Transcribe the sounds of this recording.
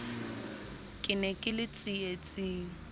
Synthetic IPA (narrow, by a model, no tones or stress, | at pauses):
kʼɪnɛkʼɪlɪt͡sʼɪet͡sʼɪːŋ̩